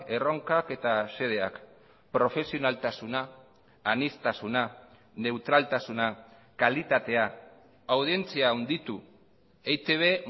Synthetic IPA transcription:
e̞ro̞ŋkake̞t̪ase̞ð̞e̞ak | pɾo̞fe̞sio̞nalt̪asunaː | nist̪asuna | ne̞wt̪ɾalt̪asuna | kalit̪at̪e̞a | awð̞ie̞nt͡siawnd̪it̪u | ejt̪eβ̞e̞

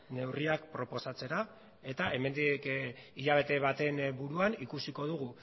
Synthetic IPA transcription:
ne̞wriakpɾo̞po̞sat͡se̞ɾa | e̞t̪ae̞me̞nd̪ikiʎaβ̞e̞t̪e̞β̞at̪e̞nbuɾuanikusiko̞ð̞uɣ̞u

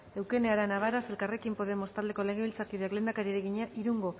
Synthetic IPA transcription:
e̞wke̞neaɾanaβaɾase̞lkare̞kimpo̞ðe̞mo̞st̪ald̪e̞ko̞le̞ɣ̞e̞βilt͡sakiðakle̞ːnd̪akaɾieɾeɣ̞iɲaʔiɾuŋɡo̞

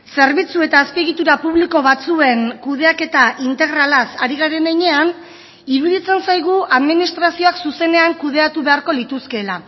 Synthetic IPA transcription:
se̞ɾβit͡sue̞t̪aːspieɣit̪uɾapuβliko̞βat͡sue̞ŋkuðe̞ake̞t̪aʔint̪e̞ɣ̞ɾalasaɾiɣaɾe̞neɲe̞an | iɾuðit͡se̞nsajɣ̞uʔaðminist̪ɾasio̞aksuse̞ne̞aŋkuð̞e̞at̪uβe̞aɾko̞lit̪uske̞la

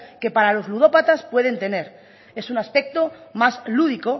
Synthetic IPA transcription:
ke̞paɾalo̞zluð̞o̞pat̪aspwe̞ð̞e̞nt̪e̞ne̞ɾ | e̞sunaspe̞k̚t̪o̞mazluð̞iko̞

